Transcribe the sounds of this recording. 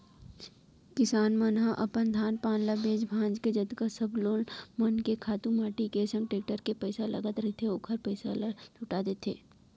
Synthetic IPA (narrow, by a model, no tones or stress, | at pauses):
kɪsaːnmənɦãʔɐpənd̪ʱaːnpaːnlabeːd͡ʒbʱãːd͡ʒked͡ʒəd̪kasəbloːnmənkekʰaːt̪ũmaːʈikesə̃ŋɡʈeːk̚ʈəɾkepəɪsalɐɡət̪ɾɐɦet̪ʰeoːkʰəɾpəɪsa̰lt͡ʃʊʈaːd̪et̪ʰḛː